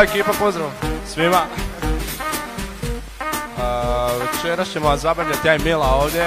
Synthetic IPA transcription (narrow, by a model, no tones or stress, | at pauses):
ekiːpapozd̪ɾaʋsʋima | ʋe̞t͡ʃeɾast͡ɕemozabɾaʋʎat̪jajmilaoːʋd̪je